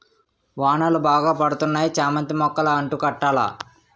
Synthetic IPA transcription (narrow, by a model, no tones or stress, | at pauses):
ʋaːɳɐlubaːɡaːpɐɽut̪unːaːjit͡ʃaːmɐnt̪imɔkːɐlɐɐɳʈukɐʈːaːla̰ː